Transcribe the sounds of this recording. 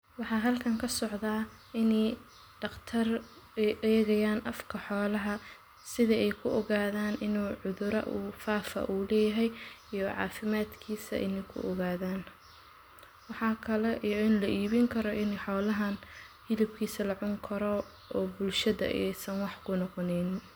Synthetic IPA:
wɑħɑːɦɐlkʰɐŋkʰɐsɔʕðaː | ɪnɛj | ɖ̥ɐqt̪ʰɐr | ɛjʔɛːɣɐjaːnʔɐfkʰɐħɔːlɐɦɐ | sɪðɐɛjkʰʊʔɔɣaːðaːnɪnuːʕʊðʊɾɐ̰ʔuːfaːfɐ̰ʔuːlɛːjɐɦɛjijɔʕɑ̰ːfɪmaːd̪kʰiːsɐ̰ʔɪ̰nɛjkʰʊ̰ʔɔɣaːðaːn | wɑħɑːkʰɐlɛʔijɔɪnlɐʔiːβɪŋkʰɐɾɔʔɪnɛħɔːlɐɦɐn | hɪlɪb̚kʰiːsɐlɐʕʊŋkʰɐɾɔ | ʔɔːbʊlʃɐðɐ̰ʔɛ̰jsɐnwɑħkʰʊnɔqɔnɛjnɪn

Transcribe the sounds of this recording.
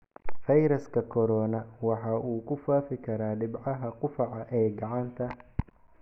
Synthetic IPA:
fɐjɾɐskʰɐkʰɔɾɔːnɐwɑħɑːʔuːkʰʊfaːfɪkʰɐɾaːɖɪbʕɑɦɐqʊfɑʕɑʔɛːɡɑʕɑnt̪ʰɐ

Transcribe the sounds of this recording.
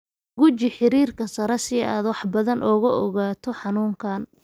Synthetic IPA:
ɡʊt͡ʃɪħɪɾiːrkʰɐsɐɾɛsɪaːd̪wɑħbɐðɐnʔɔːɣɐʔɔɣaːt̪ʰɔħɑnuːŋkʰaːn

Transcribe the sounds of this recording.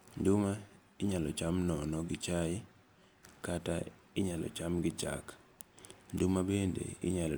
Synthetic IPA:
nduma | ɪɲalɔt͡ʃamnɔnɔɡɪt͡ʃaɪ | kata | ɪɲalɔ̰t͡ʃamɡɪt͡ʃa̰k | ndumabendḛɪ̰ɲal

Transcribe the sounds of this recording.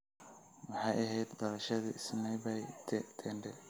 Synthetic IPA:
wɑħɑjɐɦɛjd̪d̪ɔɾɐʃɐðḭɪsnɛjbɛjt̪ʰɛːɳɖɛ

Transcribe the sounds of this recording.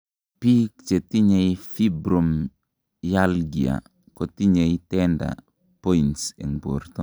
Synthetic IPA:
pik̚t͡ʃetiɲejifibɾom | jalɡia̰ | kɔtiɲejtɛnda̰ | poinsɛ̰ŋbo̰ɾtɔ

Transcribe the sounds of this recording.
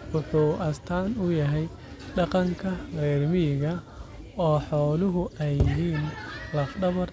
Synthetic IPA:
wʊħuːʔɐst̪ʰaːnʊjɐɦɛj | ɖɑqɑŋkʰɐrɛːrmɪɪɣɐ | ɔːħɔːlʊɦʊɛjɪɦiːnlɐfɖɐβɐr

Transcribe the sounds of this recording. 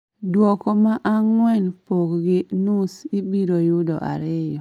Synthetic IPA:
dwɔkɔmaʔaŋwɛnpokɡɪnusibiɾojʊdɔ̰ʔa̰ɾɪjɔ

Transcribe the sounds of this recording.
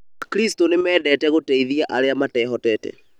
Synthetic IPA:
akɾistonemɛːdɛtɛɣotɛiðiaʔaɾeamatɛɦɔtɛtɛ̰

